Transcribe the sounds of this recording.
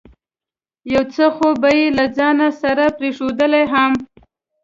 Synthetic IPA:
jawt͡səxobajelad͡zɑnasaɾapɾeʂod̪əlajɦam

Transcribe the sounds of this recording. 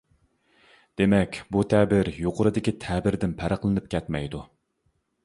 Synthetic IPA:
d̪̥emɛkʲbut̪ʰɛbɪɾjoqʰʊɾɨd̪ɪkʲit̪ʰɛbɪɾd̪ɪnpʰæɾəqlˠɨnɨp̚kʲɛt̪mɛ̰jd̪u

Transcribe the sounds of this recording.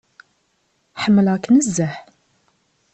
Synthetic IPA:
ħəmːəlʁknəzːəħ

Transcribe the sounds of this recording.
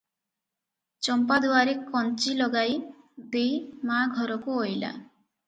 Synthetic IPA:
t͡ʃɔmpad̪uaɾekɔnt͡ʃilɔɡaj | d̪ejmaɡʱɔɾɔkuojla̰

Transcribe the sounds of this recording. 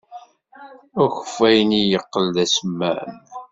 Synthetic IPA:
ʊçə̥fːæjnijəqːəld̪æsəmːæ̰n

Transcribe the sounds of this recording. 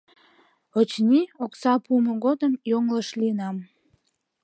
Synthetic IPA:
ot͡ɕnioksɑpuməɣod̪əmjoŋləʃlinɑm

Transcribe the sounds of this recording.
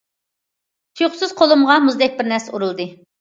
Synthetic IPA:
t̪ʰjχsɨz̥qʰolˠumʁɑmuzd̪ɛk̚ʲbɪɾnɛɾsuɾulˠd̪ɨ

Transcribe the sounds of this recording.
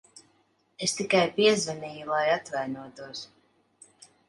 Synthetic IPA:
est̪ikajpiɛzvɛniːjulˠajat̪vajnuɔt̪uɔs

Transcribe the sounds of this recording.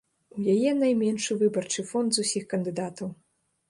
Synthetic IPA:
ujajɛnɐjmʲɛnʂɨvɨbɐrt͡ʂɨfɔnd̪zusʲixkɐnd̪ɨd̪at̪ɐw

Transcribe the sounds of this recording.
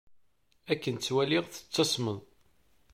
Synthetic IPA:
ækːənt͡sːwæliʁθə̥t͡sːɑsˤməðˤ

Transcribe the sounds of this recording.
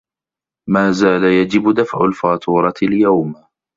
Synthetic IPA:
maːzaːlajad͡ʒɪbʊd̪afʕʊlfaːt̪ʰuːɾˤɑɪljawm

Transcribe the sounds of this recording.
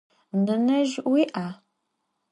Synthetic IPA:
nɐnɐʒɪʔwiʔaː

